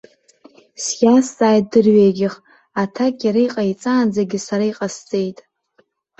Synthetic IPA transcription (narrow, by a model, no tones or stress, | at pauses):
sjast͡sʼaːjt̚dɨrɥejɡʲɪχ | atʰakʼjaɾajqʼait͡sʼaːnd͡zaɡʲɪsaɾaiqʼast͡sʼejtʼ